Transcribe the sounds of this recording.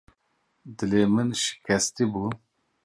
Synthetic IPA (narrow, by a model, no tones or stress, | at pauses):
d̪ɨlemɨnʃɪ̥kʲʰɛst̪ibu